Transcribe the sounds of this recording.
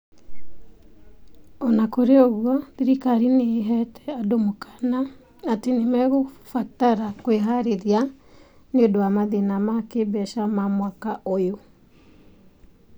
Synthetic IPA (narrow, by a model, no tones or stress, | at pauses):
ɔnakoɾeoɣwɔðiɾikaɾineɦɛtʰɛadomokḁna | atenemɛɣofataɾakweɦaɾeɾia | neodoamaðenamakebɛʃamamwakaʔojo